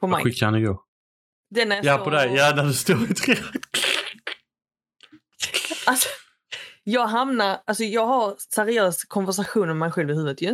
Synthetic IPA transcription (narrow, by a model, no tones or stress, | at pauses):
pʰɔma̰jɧɪkːahanɪɡoːɡ | d̪ɛnæjapɔd̪ɛjjaːnædɵst̪oːɾɪt̪ʰɾɛ | alsɔ̥ | jɑːɡɦamnaɾalsɔjɑːɡɦaɾsæɾɪøːskʰɔnvæʂ̬aɧuːnɔmɛjɧɛlvɪɦʉ̟ːvət̪jɵ